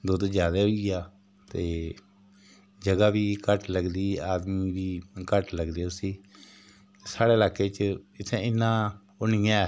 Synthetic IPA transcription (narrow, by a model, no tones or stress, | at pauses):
d̪ʊd̪d͡ʒjaːd̪aːɦoiaː | t̪eː | d͡ʒəɡaːʋiːkəʈləɡd̪iːaːd̪miːʋiːkəʈləɡd̪eːsiː | saːɽeːlaːkeːt͡ʃɪt̪ʰɛ̃ːɪnːãː | ʊɳɪjãːɛ